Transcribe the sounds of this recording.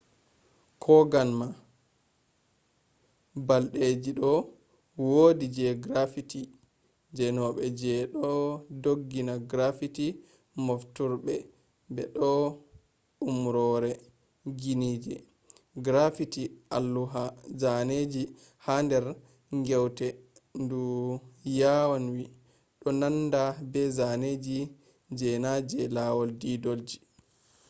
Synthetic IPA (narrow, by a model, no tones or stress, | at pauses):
kʰɔɡanma | balɗed͡ʒiɗɔ | wodid͡ʒɛɡɾafiti | d͡ʒɛnɔɓɛd͡ʒɛɗɔdoɡːinaɡɾafiti | moftuɾɓɛ | bɛɗɔ | umɾɔɾɛ | ɡinid͡ʒɛ | ɡɾafitiʔalːuɦazaned͡ʒi | handɛɾ | ŋɡɛwtɛndujawanwi | ɗɔnanːdabɛzaned͡ʒi | d͡ʒɛnad͡ʒɛlawɔldidold͡ʒi̥